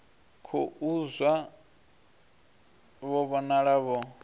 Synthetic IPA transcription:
kʰɔʔuzwa | βɔβɔnaɺaβɔ

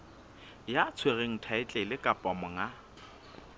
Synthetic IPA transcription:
jat͡sʰwereŋ̩tʰaɪt͡ɬʼelɪkʼapʼɔmɔŋa

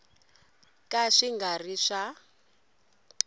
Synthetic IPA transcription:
kʼaʂiŋɡariʂa

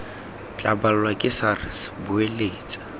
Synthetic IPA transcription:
t͡ɬʼabalʊlwakʼɪsarɪsbʊeleːt͡sʼḁ

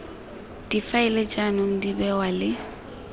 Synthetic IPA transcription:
d̥ifaɪlet͡ʃʼanʊŋ̩dibɛwalɪ

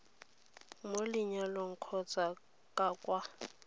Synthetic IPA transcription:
molɪɲaloŋ̩kʰɔt͡sa | kʼakʼwa

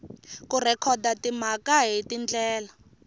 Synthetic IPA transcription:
kurɛkʰɔdatim̤akaɦitind͡ɮɛːla

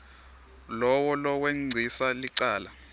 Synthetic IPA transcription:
lɔwɔlɔweŋ͡ǀʱisaliǀaːla

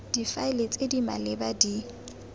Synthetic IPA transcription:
d̥ifaɪlet͡sʼedima̰lɪbadi

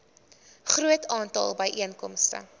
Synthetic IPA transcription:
χruətʰɑːntɑ̰lˠbəjʔiənkɔmstə̰

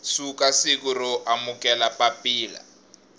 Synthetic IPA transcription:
sukasikuɾɔʔamukʼɛlapʼapʼiːla̰

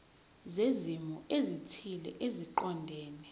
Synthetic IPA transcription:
zezimɔezitʰilɛ̰ʔeziǃɔndʱɛːnɛ

